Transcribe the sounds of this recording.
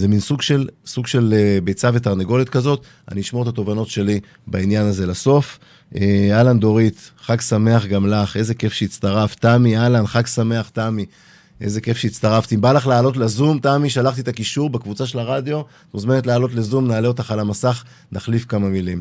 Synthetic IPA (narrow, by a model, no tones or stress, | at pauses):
zeminsuɡʃelsuɡʃe̞lebejt͡save̞t̪aʁneɡo̞lit̪kazo̞t̪ | a̰niiʃmoet̪at̪o̞vano̞tʃe̞li | bainjanaze̞laso̞f | ealand̪o̞ʁit̪χaɡsame̞aχɡamlaχe̞ze̞ke̞fʃeːtt͡st̪aʁaft̪amialanχakɡsame̞aχt̪ami | ʔe̞ze̞ke̞fʃeit̪t͡st̪aʁaft̪iimbalaχlaːlo̞t̪lezumtamiʃalaχt̪it̪akiʃuʁbakvut͡saʃe̞laʁad̪jo̞ | muzme̞net̪̬laːlo̞t̪lezumnaːle̞o̞t̪aχalamasaχ | naχlifkamamilim